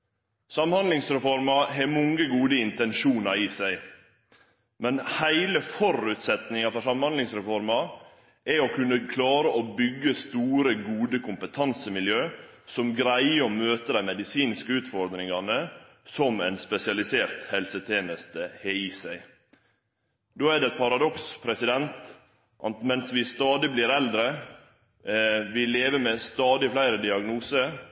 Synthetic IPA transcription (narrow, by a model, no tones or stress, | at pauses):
sɑmhɑnd̪lɪŋsɾɛfɔɾmɑɦemɔŋəɡuːd̪əɪnt̪ɛnʃuːnɑɾiːsæɪ | mɛnhæɪləfɔrʉt̪sɛt̪nɪŋɑfɔʂsɑmhɑnd̪lɪŋsɾɛfɔɾmɑ | ʔɛokʰʉnːəkʰlɑːɾəʔobʏɡːəst̪uːɾəɡuːd̪əkʰʊmpət̪ʰɑnsəmɪljøːsɔmɡɾæɪəɔmøːt̪əd̪æɪmɛd̪ɪsiːnskəʉːt̪fɔɾd̪ɾɪŋɑnə | sɔmæɪnspɛsɪɑlɪseːɾt̪hɛlsət̪ʰeːnəst̪əheːiːsæɪ | d̪oːæɖɛɛt̪̚pʰɑɾɑd̪ɔkspʰɾɛsɪd̪ɛnt̪ | ʔɑt̪mɛnsʋɪst̪ɑːd̪ɪbliːɾɛld̪ɾə | ʋɪleːʋəmɛst̪ɑːd̪ɪflæɪɾəd̪ɪɑɡnuːsə